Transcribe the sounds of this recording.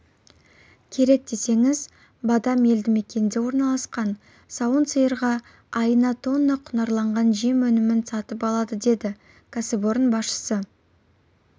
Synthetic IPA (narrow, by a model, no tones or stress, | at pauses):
kʲʰe̞ɾe̞k̚d̪e̞se̞ŋɪz | bɑd̪ɑme̞ld̪ɪme̞kʲe̞nd̪e̞wo̞ɾnɑlˠɑsqɑn | sɑwənt̪səjəɾʁɑ | ɑjənɑt̪o̞nːɑqʰʊnɑɾlˠɑɴʁɑnʒijemwɵnɪmɪnsɑt̪əp̬ɑlˠɑd̪əd̪e̞d̪ɪ | kʰasebo̞ɾnbɑsʃə̥sə